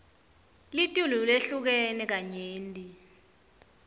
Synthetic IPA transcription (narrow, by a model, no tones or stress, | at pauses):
litʼululeɬuk̬ɛnɛk̬aɲeːndi